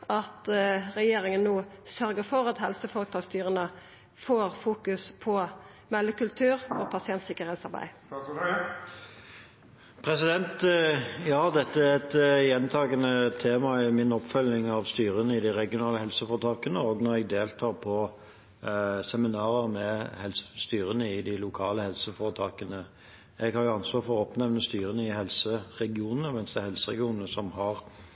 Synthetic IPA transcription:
ʔɑt̪ʁɛjeːɾɪŋənːoːsœɾɡəfɔʁɑt̪hɛlsəfɔʁət̪ʰɑːst̪yːʁənə | foːʁfuːkʉspʰɔ | mɛlːəkʉlt̪ʰʉːʁɔpʰɑsɪɛnt̪sɪkəʁheːt̪sɑɾbæ̰ɪ | pʰɾɛsɪd̪ɛnt̪jɑːd̪ɛt̪ːəæʁɛt̪jɛnt̪ʰɑːɡənət̪ʰeːmɑɛmɪnɔpfœlnɪŋɑʋst̪yːɾənəɪd̪ɪɾɛɡɪʊnɑːləhɛlsəfɔːɾət̪ʰɑːkənəɔɡnɔɾɛɡ̚d̪eːlt̪ʰɑːɾpʰɔ | sɛmɪnɑːɾəʁmɛhɛlsə̥st̪yːɾənəɪd̪ɪlʊkʰɑːləhɛlsəfoːɾət̪ʰɑːkənə | ɛɡhɑɾjʊɑnsʋɑːʁfɔɾɔpnɛʋnəst̪yːɾənəɪhɛlsəʁɛɡɪuːnənəmɛnsd̪ɛhɛlsəʁɛɡɪuːnənəsɔmhɑʁ

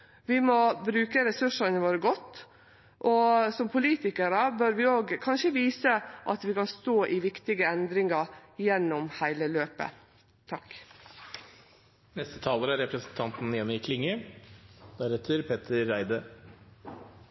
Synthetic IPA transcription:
ʋɪmɔbɾʉːkəɾɛsʉʂənəʋoːɾəɡɔt̪ː | ʔɔsɔmpʰʊliːt̪ɪkəɾəbøɾʋɪoːɡkʰɑnʂəʋiːsəʔɑt̪ʋɪkɑnst̪oːʔɪʋɪkt̪ɪɡəɛnd̪ɾɪŋɑjɛnːɔmhæɪləløːpə̰ | t̪ʰɑk | nɛst̪ət̪ʰɑːləːɾæɾɛpɾəsn̩t̪ʰɑnt̪n̩jɛnːɪkʰlɪŋːə | d̪̥æɾɛt̪ʰəɾpʰɛt̪ʰəːæɪd̪ə

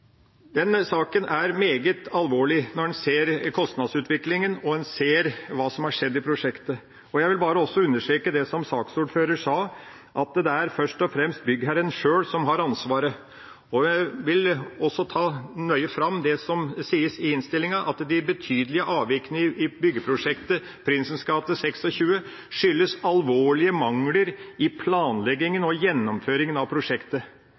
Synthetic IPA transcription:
d̪ɛnsɑːkənæɾmeːɡət̪ʰɑlʋoːɭɪnɔɖɛnseːɾkʰɔst̪nɑd̪sʉːt̪ʰʋɪklɪŋənɔɛnseːɾʋɑːsɔmhɑʂɛd̪ːɪpʰɾʊʂɛkt̪ə | ɔjæɪʋɪlbɑːɾəɔsɔʉnːəʂʈɾeːkəd̪ɛsɔmsɑːksuːɖføːɾəʂɑː | ʔɑt̪d̪ɛæɾfœʂʈɔfɾɛmst̪̚bʏɡːhæɾənʂøːɽsɔmɦɑɾɑnsʋɑːɾə | ɔʋɪlɔsːɔt̪ʰɑːnœʏəfɾɑmːd̪ɛsɔmsiːəsɪɪnst̪ɪlːɪŋəʔɑ̰t̪d̪ɪbət̪ʰyːd̪əlɪəʔɑːʋʋɪknəɪbʏɡːəpʰɾʊʂɛkt̪ə | pʰɾɪnsən̩skɑːt̪əsɛksɔçʉːə | ʂʏlːəsɑlʋoːɭɪəmɑŋləɾɪpʰlɑːnlɛɡɪŋənɔjɛnːɔmføːɾɪŋənɑʋpʰɾʊʂɛkt̪ə

